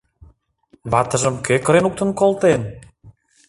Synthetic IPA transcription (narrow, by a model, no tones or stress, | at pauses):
βɑt̪ə̆ʒəmkekə̆ɾenuk̚t̪ə̆nkolt̪en